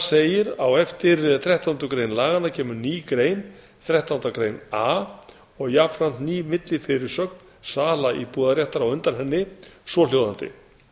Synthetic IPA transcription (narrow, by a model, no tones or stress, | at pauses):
seːjɪɾawɛft̪ɪɾθɾɛht̪awnt̪ʏkɾejnlaːɣanacʰɛːmʏɾniːkɾeːjn | θɾɛht̪awnt̪akɾejna | ɔɣjapɾan̥t̪niːmɪt̪lɪfɪɾɪɾ̥sœkn | saːlaʔipuːðaɾjɛht̪aɾawʏnt̪aɾɦɛnːɪsɔljowðant̪ɪ̰